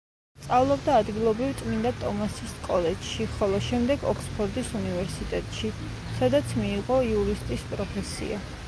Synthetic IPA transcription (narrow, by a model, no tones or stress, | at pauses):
st̪sʼavlˠɔbd̪aːd̪ɡilˠɔbɾivt̪ʼmind̪at̪ʼɔmasiskʼɔlɛd͡ʒʃiχɔlˠɔʃɛmd̪ɛɡɔkʰspʰɔɾd̪isunivɛɾsit̪ʼɛt̪ʼʃi | sad̪at̪sʰmiːʁɔiuɾist̪ʼispʼɾɔpʰɛsḭa